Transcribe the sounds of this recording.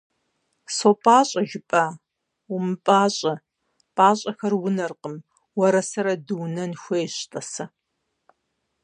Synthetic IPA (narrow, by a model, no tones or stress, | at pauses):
sopʼaːɕʼɐʒɪpʼa | ʊmɨpʼaːɕʼɐ | pʼaːɕʼɐxɐrwʊnɐrqəm | wɐɾɐsɐɾɐdɨwnɐnxʷejɕtʼɐsɐ